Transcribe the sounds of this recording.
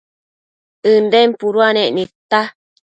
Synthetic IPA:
ɨndɛmpuɾuanɛʔnit̪a

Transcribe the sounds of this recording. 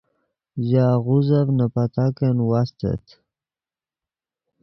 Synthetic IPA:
jaɣuzavnapat̪akenwast̪ḛt̪ʰ

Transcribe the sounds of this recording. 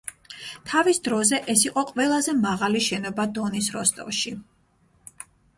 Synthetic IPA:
t̪ʰavisd̪ɾɔzɛʔɛsiqʼɔqʼwɛlˠazɛmaʁaliʃɛnɔbad̪ɔnisɾɔst̪ʼɔ̰vʃi

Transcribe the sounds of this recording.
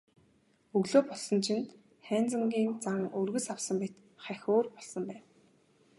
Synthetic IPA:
ɵɣɮoːpɔɮsɞ̆nt͡ɕʰɪ̆nt̪ | χæːnt͡sə̆ŋɡʲiːnt͡saŋɵrɣɵ̆sawsə̆mpit̪ | χæxʲoːrpɔɮsɞ̆mpæːn

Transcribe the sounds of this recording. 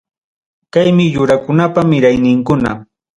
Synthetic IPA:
kajmɪʎʊɾakʊnapamɪɾajnɪŋkʊna̰

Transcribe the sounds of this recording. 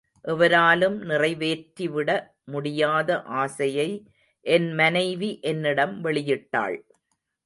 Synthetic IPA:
ʔɛʋɐɾaːlɯmnɪrɐɪʋeːʈɾiʋɪɽɐ | mʊɽɪjaːðɐʔaːsɐjɐɪ | ʔɛnmɐnɐɪʋiʔɛnːɪɽɐmʋɛɭɪjɪʈːa̰ːɭ

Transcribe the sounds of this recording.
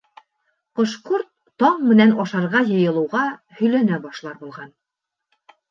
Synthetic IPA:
qŏʃquɾt̪ːɑɴmɘ̆nænɑʃɑɾʁɑjɤ̆jɤ̆lˠɤ̆wʁɑ | hɵ̆jlænæbɑʃlˠɑɾbulˠʁɑn

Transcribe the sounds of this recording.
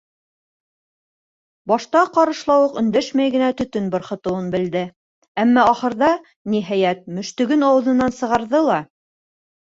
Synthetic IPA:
bɑʃt̪ɑqɑɾɤ̆ʃlˠɑwɤqɵ̆nd̪æʃmæjɡɘ̆næt̪ɵ̆t̪ɵnbŏɾχɤ̆t̪ɤ̆wɤnbɘ̆ld̪ɘ | æmːæɑχɤ̆ɾðɑ | niɦæjæt̪̚mɵ̆ʃt̪ɵ̆ɡɘnɑwɤ̆ðɤ̆nːɑnsɤ̆ʁɑɾðɤlˠɑ

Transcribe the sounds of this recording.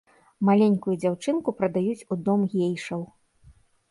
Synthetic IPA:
malʲenʲkujud͡zʲawt͡ʂɨnkupɾɐd̪ajut͡sʲud̪ɔmɣʲejʂɐw

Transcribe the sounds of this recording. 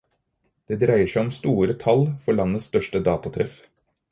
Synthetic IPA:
d̪̥eːd̪ɾæɪəʂæɪɔmst̪uːɾət̪ʰɑlfɔɭɑnəst̪œʂʈəd̪ɑːt̪ɑt̪ʰɾɛf

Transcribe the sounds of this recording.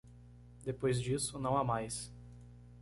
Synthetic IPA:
d̪epojzd͡ʒisʊnɐ̃w̃amajs

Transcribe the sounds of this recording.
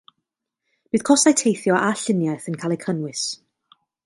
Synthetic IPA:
b̥ɨːð̥kʰɔsajtʰejθjɔʔaɬɪnjajθənkʰalˠɛjkʰənwɪs

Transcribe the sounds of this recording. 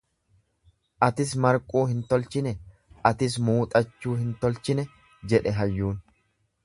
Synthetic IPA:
ʔɐt̪ɪs̬mɐɾkʼuːhɪnt̪ɔlt͡ʃɪnɛ | ʔɐt̪ɪs̬muːt̪ʼɐt͡ʃːuːhɪnt̪ɔlt͡ʃɪnɛ | d͡ʒɛᶑɛɦɐjːuːn

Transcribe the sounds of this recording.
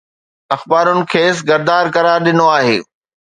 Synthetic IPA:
ɐxbaːɾʊnɪ̆kʰeːs̬ɡɐɾd̪aːɾkɐɾaːɾɗɪnoaːɦḛː

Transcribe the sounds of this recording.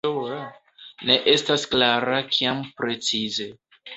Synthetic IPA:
ne̞ʔe̞stasklaɾakʰiampɾe̞t͡size̞

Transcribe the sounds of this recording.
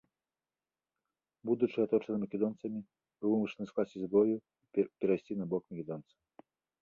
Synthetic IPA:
bud̪ut͡ʂɨat̪ɔt͡ʂɐnɨmɐkʲɛd̪ɔnt̪sɐmʲi | bɨwɨmɨʂɐnɨsklˠasʲizbɔju | ipʲɛɾajsʲt͡sʲinɐbɔkmɐkʲɛd̪ɔnt̪sɐ

